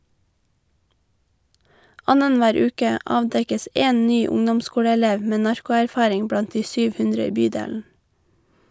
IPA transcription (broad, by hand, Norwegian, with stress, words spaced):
ˈɑnənˌʋæːɾ ˈʉːkə ˈɑːʋdɛkəs ˈʔeːn ˈnyː ˈʊŋdɔmˌskuːɽəɛˌleːʋ ˈmeː ˈnɑɹkʊæɾˌfɑːɾɪŋ ˈbɽɑnt ˈdiː ˈsyːʋ ˈhʉndɾə ˈiː ˈbyːdeːln̩